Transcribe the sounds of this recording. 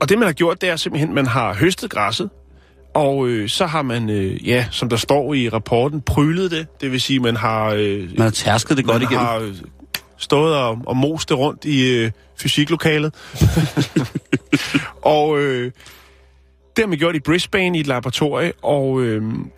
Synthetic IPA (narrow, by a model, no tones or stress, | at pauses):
ɒ̽d̥e̝mænhɑ̈ɡ̥jo̝ɐ̰d̥e̝æɐse̝mb̥l̩ɦen̰mænɦɑ̈ɦøsd̥ð̩ˠɡ̥ʁɑsð̩ˠ | ʔɒ̽øsɒ̽ɦɑ̈mænøjæsɒ̽md̥ɑ̈sd̥ɒ̰ːiʁɑ̈pʰɒːd̥n̩pʰʁyːlð̞̩ˠd̥e̝d̥e̝ʋe̝siːmænɦɑ̈ømænhɑt͡sʰæɐsɡ̥ð̩ˠd̥eɡ̥ɒɾiɡeɑ̈ | sd̥ɔ̽ːð̩ˠɒɒ̽mo̝̰ːsd̥eʁɔ̽n̰d̥i | fysiɡ̥lo̝kʰɛ̰ːlð̩ˠ | ʔɒ̽ø | d̥e̝ɐɑmeɡ̥jo̝ɐ̰d̥ib̥ʁes̚b̥ɛːn̩idlɑb̥ʁɑt͡sʰo̝ɐ̰jəʔɒ̽ʊøm